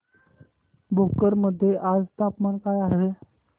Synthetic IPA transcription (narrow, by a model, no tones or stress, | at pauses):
bʱokəɾməd̪ʱːjeʔad͡zt̪ʰapmankajaɦe